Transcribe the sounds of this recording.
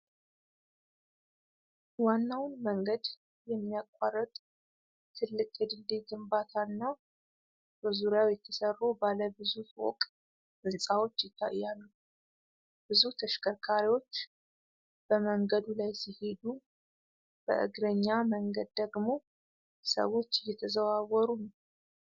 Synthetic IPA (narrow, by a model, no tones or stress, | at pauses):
wanːawnməŋɡəd̪ | jɛmːijakʼwarət̪ʼ | t̪ʰɨlːɨkʼjɛd̪ɨld̪eɡɨmbat̪ʰanːa | bəzuɾjawjɛt̪ʰəsərːubaləbɨzufwo̰kʼ | bɨnsʼawo̞t͡ʃːjɪt̪ʰːa̰jːalːu | b̥ɨzut̪ʰəʃkʰəɾkʰaɾiwo̞t͡ʃː | b̥əməŋɡəd̪ulajsihe̞d̪u | b̥ə̰ʔɨ̰ɡɾəɲːaməŋɡəd̪̚d̪əɡmo̞ | sə̰wo̞t͡ʃːɪjːɛt̪ʰəzəβawɔɾunəw